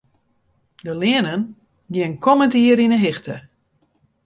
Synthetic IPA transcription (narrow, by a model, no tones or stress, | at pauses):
dəlɪənən | ɡjɪənkʰɔməntiəɾinəɦɪxtə